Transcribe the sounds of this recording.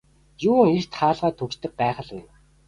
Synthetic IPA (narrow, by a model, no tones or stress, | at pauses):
juːŋer̥t̪χaːɮʁaːt̪ʰɵkt͡ɕt̪ɘ̆k̚pæːχə̆ɮweːn